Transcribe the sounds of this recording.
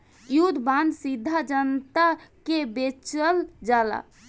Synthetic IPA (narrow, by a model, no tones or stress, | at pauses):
jud̪ʱband̪sid̪ʱːad͡ʒənt̪akebet͡ʃəld͡ʒala̰